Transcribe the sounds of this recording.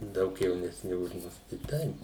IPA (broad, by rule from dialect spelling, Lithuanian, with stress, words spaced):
ˈdɐʊk jɛʊnʲɛsʲˈnʲɪ ʊʃ ˈmʊs tɐɪ ˈtɐɪp